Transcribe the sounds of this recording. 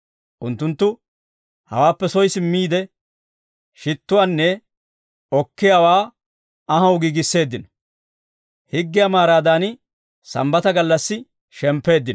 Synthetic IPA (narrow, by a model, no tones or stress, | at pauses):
ʔʊnt̪ːʊnt̪ːʊ | hɐ̰waːpːɛsɔjsɪmːiːd̪ɛ | ʃɪt̪ːʊwaːnːɛ | ɔkːɪjawaː | ɐɦɐwʊɡiɡɪsːe̞ːd̪ːɪnɔ̥ | hɪɡːɪjamaːɾaːd̪aːn | sɐ̰mbɐt̪ɐɡɐlːɐsːɪ | ʃɛmpːe̞ːd̪ːɪnɔ